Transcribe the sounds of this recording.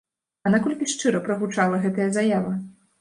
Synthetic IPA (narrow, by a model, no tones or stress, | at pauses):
ɐnakɔlʲkʲiʂt͡ʂɨɾɐpɾɐɣut͡ʂalˠɐɣɛt̪ɐjɐzajavɐ